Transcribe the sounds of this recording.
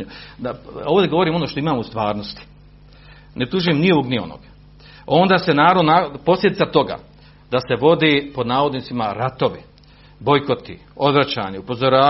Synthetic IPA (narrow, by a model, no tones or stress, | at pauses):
ud̪aoʋod̪eɡo̞ʋo̞ɾiːmo̞noʃt̪oimaːmoust̪ʋaːɾnost̪i̥ | nep̚t̪uʒujemnio̞ʋoɡnio̞̰no̰ɡ̥ | o̞nd̪aːsenaːɾod̪napo̞slʲjed̪it̪at̪o̞ɡa̰ː | d̪ase̞ʋo̞d̪eːpo̞d̪naːʋo̞d̪nit̪simaɾat̪o̞ʋi | bo̞jko̞t̪ḭ | o̞d̪ʋɾat͡ɕa̰ːɲeupo̞zoɾaː